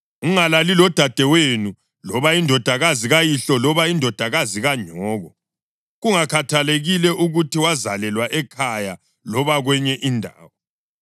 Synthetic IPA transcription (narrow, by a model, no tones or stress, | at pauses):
uŋalalilɔd̥ʱad̥ʱɛwenu | lɔβaindʱɔd̥ʱaɣaziɣajiɬɔlɔβaindʱɔd̥ʱaɣaziɣaɲʱɔːɣɔ | ɣuŋakʰatʰaleɣilɛʔuɣutʰiwaza̰lɛlwaʔɛkʰaja | lɔβaɣwɛɲɛʔindʱa̰ːwɔ